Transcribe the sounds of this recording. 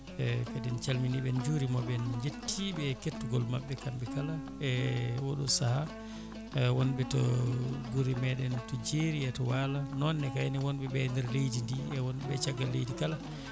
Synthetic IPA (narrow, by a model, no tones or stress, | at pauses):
ɛkadɛnt͡ʃalminiɓɛnd͡ʒuɾimɔɓɛnd͡ʒetːiɓɛketːuɡɔlmaɓːɛkambɛkala | ɛwɔɗɔsaha | ɛwɔnɓɛtɔɡuɾimɛɗɛntɔd͡ʒeɾiɛtɔwalanɔnːɛkajniwɔnɓɛɓɛndɛɾlejdindiɛwɔnɛɓɛt͡ʃaɡːalːejdikala